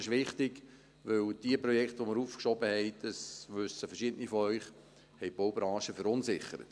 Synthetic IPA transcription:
ɪʃʋɪχt̪ɪɡ | ʋɵld̥iəprɔjɛkχtʋoməɾuːfkʃɔbəhɛɪd̪̥əsʋʉsːəfɛʃɪdənifɔœʏχ | hɛɪb̥owbɾɑ̃ːʃəfəɾʊnsɪχəɾə̰t̪

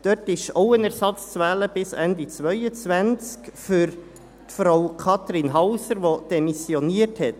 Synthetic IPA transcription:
d̥œtɪʃoʊənæɾsɑt͡st͡sʋɛːləb̥ɪsændit͡svœʏət͡svænt͡skfyɾ | tfɾawkʰɑt̪ɾinɦɑʊsəɾʋod̥ɛmisjoniəthɛt

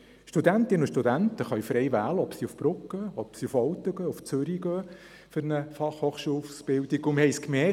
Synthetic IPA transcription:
ʃtudænt̪ɪnʊʃtud̪ænt̪əχœɥfɾɛjʋæːləɔpsiufb̥ɾʊkːəɔpsiufɔwt̪ːəɡœːuft͡søɾiɡøː | fʏɾnəfɑχhoːχʃuːlsb̥ɪldiɡʊməhɛɪskmɛ

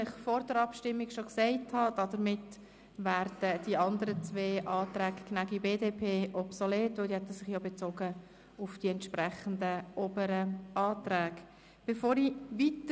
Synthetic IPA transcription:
ɪχfɔɾd̥əɾɑpʃtɪmːiɡʃɔksɛɪthɑd̥ɑd̥əɾmɪt | ʋæːɾd̥əd̥iɑnd̪əɾət͡sʋeːʔɑːt̪ɾæːkknæɡibeːdeːpʰeːʔɔpsɔleːtʋɪldihɛt̪əsɪχjobɛt͡soːɡə | ʊfd̥iɛntʃpɾɛχən̩dəʔoːbəɾəʔɑːt̪ɾæːɡ | b̥efoːɾiʋit

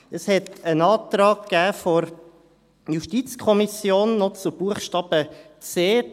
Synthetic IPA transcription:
əshɛt̪ənɑːt̪ɾɑːkːæːfɔɾ | juʃtit͡skʰɔmisjoːnːɔt͡sub̥uəχʃtɑːb̥ət͡seː

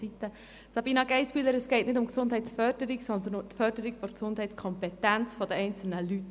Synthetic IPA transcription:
it̪ːə | sɑbiːnɑɡɛɪspyləɾɛsɡɛɪtnɪdʊmksʊndɦɛɪtsfœd̥əɾiksɔnd̪ənt̪fœɾd̥əɾikfɔɾksʊnd̥ɦɛɪtt͡sskʰɔmpɛtænt͡sfɔdəɛɪnt͡sl̩nəlyt

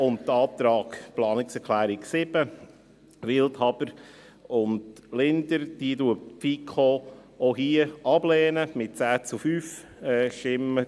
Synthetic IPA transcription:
ʊntdɑːt̪ɾɑːɡ̥plɑːnɪksɛklæːɾɪksɪb̥ə | ɾɪlthɑbəɾ | ʊndlɪndəɾd̥iəduəfikʰoː | oɦiːəɑb̥lɛːnəmɪt̚t͡sæːt͡sufyːf | ɛʃɪmə

